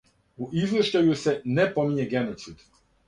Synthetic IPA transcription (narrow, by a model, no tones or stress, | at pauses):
uʔizləʃtajusenepomiɲeɡenot̪sid̪